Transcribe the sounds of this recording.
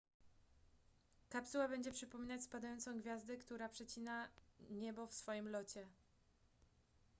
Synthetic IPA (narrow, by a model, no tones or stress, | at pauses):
kapsuwabɛɲd͡ʑɛpʂɘpɔmʲinat͡ɕspad̪ajɔnt̪sɔ̃w̃ɡvʲjazd̪ɛkt̪uɾapʂɛt͡ɕinaɲɛbɔfsfɔjimlɔt͡ɕɛ